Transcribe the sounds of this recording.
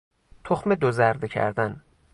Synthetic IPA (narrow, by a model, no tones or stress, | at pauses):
t̪ʰoxmed̪ozæɾd̪ecʰæ̰ɾd̪æn